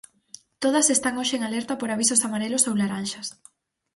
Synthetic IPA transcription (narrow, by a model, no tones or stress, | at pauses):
t̪oð̞ɐsest̪aŋoʃeeŋalɛɾt̪apoɾaβ̞isʊsamaɾelosowlaɾanʃɐs